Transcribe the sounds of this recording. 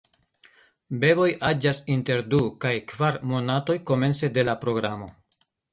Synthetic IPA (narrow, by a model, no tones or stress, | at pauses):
be̞bo̞jʔad͡ʒasinte̞ɾdukajkvaɾmo̞nato̞jko̞me̞nse̞de̞lapɾo̞ɡɾamo̞̰